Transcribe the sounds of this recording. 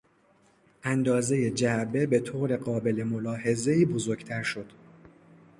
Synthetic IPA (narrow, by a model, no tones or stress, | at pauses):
ʔænd̪ɒːze̞je̞d͡ʒæbe̞be̞t̪ʰoːɾe̞ɢɒːbe̞le̞mo̞lɒːhe̞ze̞iːbo̞zoɾɡt̪ʰæɾʃo̞d̪̥